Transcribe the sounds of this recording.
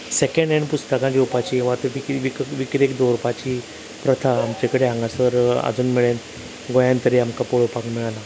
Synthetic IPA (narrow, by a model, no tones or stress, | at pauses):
sekəɳɖaɳipust̪əkãd͡ʑiupat͡ɕiːʋat̪əʋikʋikʋikɾekd̪oɾupat͡ɕiː | pɾət̪ʰaːmt͡ɕekəɽeãŋɡasəɾa̰d͡zuːnmiɭen | ɡojãnt̪əɾiamkapoɭopakmiɭala